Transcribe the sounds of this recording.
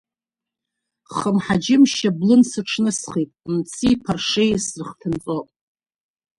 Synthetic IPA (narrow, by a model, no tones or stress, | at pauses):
χəmħad͡ʒɪmʃablɨnsɨʈ͡ʂʰnɨsχitʼmt͡sʰiːpʰarʂejsrɨχtʰɨnt͡sʼopʼ